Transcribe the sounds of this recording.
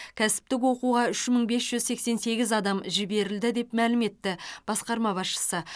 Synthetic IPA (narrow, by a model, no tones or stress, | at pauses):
kʲʰæsɪ̥p̚t̪ɪk̬wo̞quʁɑʏʃməɴbe̞sʒ̥ʏzse̞kse̞nse̞ɡʲɪzɑd̪ɑmʒɪbe̞ɾɪld̪ɪd̪e̞pmælɪme̞t̪ːɪb̥ɑsqɑɾmɑbɑsʃə̥sə